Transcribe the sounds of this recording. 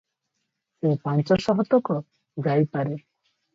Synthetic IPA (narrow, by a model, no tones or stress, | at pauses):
epant͡ʃɔsɔɦɔt̪ɔkɔ | ɡajpaɾe